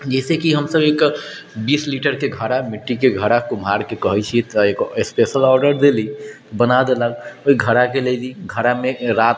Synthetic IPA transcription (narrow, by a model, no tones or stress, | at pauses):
d͡ʒɛsekiɦəmsəbek | bisliʈəɾkeɡʱəɾamiʈːikeɡʱəɾakumɦaɾkekəɦəjt͡ʃʰit̪ɔekspesəlɔɾɖəɾd̪eli | bənad̪eləloiɡʱəɾakeled̪iɡʱəɾameɾat̪